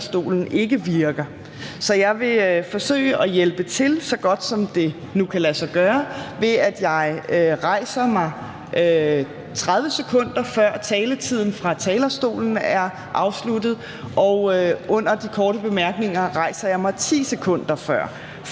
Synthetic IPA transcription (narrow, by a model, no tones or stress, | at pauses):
sd̥o̝̰ːln̩ʔe̝ɡ̥əʋiɐɡ̥ɐ | sɒ̽jɑ̈ɪʋe̝fɒ̽sø̰ːɪəʔɒjelb̥ət͡sʰe̝lsɒ̽ɡ̥ɒ̽d̥sɒ̽md̥e̝ | nukʰælæsɐɡ̥ɶːɐʋe̝æd̥jɑ̈ɪøʁɑ̈ɪ̰sɐmɑ̈ɪ | ʔø | t͡sʰʁað̞ˠʋəsekʰɔ̽n̰d̥ɐfɶɐ̰t͡sʰɛːlət͡sʰið̞̰ˠn̩fʁɑ̈t͡sʰɛːlɐsd̥o̝̰ːln̩æɐ | ʔɑ̈ʊslud̥ð̞̩ˠ | ʔɒʊøɔ̽n̰ɐd̥ikʰɒːɾəb̥e̝mæɐɡ̥ne̝ŋɐʁɑ̈ɪsɐjɑ̈ɪmɑ̈ɪt͡sʰḭːsekʰɔ̽n̰d̥ɐfɶɐ̰